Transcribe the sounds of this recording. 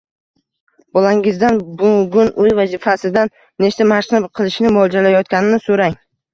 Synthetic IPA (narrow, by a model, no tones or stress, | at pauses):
bɒlaŋɪzd̪anbʊɡʊnʔʊjvazifasɪd̪anː | eʃt̪amaʃnɪbqʰɨlˠɪʃnɪmʊɒd͡ʒalajɒt̪̚kʲanɪnɪsoɾaŋ